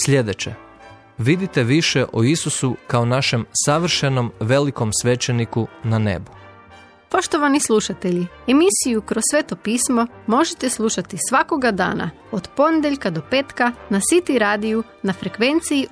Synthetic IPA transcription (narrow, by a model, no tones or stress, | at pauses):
sʎʲe̞d̪et͡ɕḛ | ʋid̪it̪eʋiʃeʔoisusukaonaʃe̞msaʋr̩ʃeno̞mʋe̞liko̞msʋe̞t͡ʃenikunanḛbu | po̞ʃt̪o̞ʋanislˠuʃat̪e̞ʎiemisijukɾosːʋeːt̪o̞piːsmo̞ | mo̞ʒet̪eslˠuʃat̪isʋako̞ɡad̪a̰ːna̰ | od̪po̞ned̪eʎʲkad̪o̞peːt̪kanasit̪iɾaːd̪iju | nafɾekʋe̞nt̪sii